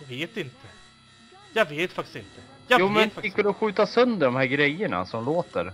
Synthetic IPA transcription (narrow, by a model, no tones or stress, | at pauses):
jɡveːt̪ɪnt̪ʰə | jɑːɡveːt̪fakt̪ɪ̥sɪnt̪ə | juːmɛnɪkvɪlɔɧʉ̟ːt̪asœnd̪əɖɔmhæːɾɡɾɛjːəɳa̰sɔmloːt̪ə̰ɾ